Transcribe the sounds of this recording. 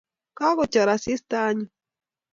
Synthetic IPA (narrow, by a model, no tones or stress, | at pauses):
kaɣot͡ʃaɾasist̪aːɲi